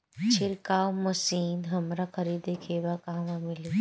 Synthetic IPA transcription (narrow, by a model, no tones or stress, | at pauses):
t͡ʃʰɪɾkaːwmɐsiːnɦɐmɾakʰɐɾiːd̪ekʰeːʋakaɦʋamɪliː